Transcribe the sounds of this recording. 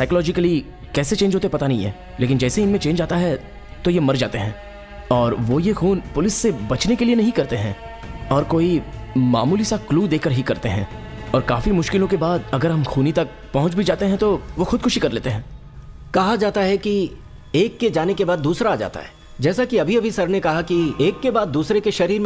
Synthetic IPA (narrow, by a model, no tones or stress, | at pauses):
saːɪklɔːd͡ʒɪkəli | kɛːset͡ʃẽːnd͡ʒɦoːt̪epɐt̪anɐɦĩɦɛ̰ː | leːk̬ɪnd͡ʒɛːseɪnmẽt͡ʃẽːd͡ʒaːt̪aɦɛ | t̪ojemɐɾd͡ʒaːt̪eɦɛ̃ː | ɔːɾʋojexuːnpʊlɪsːebɐt͡ʃnekelienɐɦĩkɐɾt̪eɦɛ̃ː | ɔːɾkoːima̰ːmuːlisakluːd̪eːkəɾɦikɐɾt̪eɦɛ̃ːɔːɾkaːfimʊʃkɪlõkebaːd̪ɐɡəɾɦɐmxuːnit̪ɐk̚ | pɐɦʊ̃nt͡ʃbʱid͡ʒaːt̪eɦɛ̃t̪oʋoxʊd̪̚kʰʊʃikɐɾleːt̪eɦɛ̃ː | kɐɦad͡ʒaːt̪aɦɛki | eːkːed͡ʒaːnekebaːd̪ːuːsɾaːd͡ʒa̰ːt̪a̰ɦɛ̥ː | d͡ʒɛːsakiɐbʱiɐbʱisɐɾnekɐɦakieːkːebaːd̪ːuːsɾekeʃɐɾiːɾm